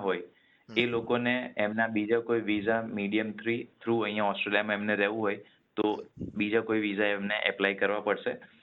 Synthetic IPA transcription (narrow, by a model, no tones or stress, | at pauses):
ɦoj | elokoneemnabid͡ʒakoiʋizamiɽijəmt̪ʰɾit̪ʰɾuəɦĩjãɔsʈɾelijamãemneɾɛʋũɦoj | t̪obid͡ʒakoiʋizaemneʔɛplajkəɾʋapəɽʃe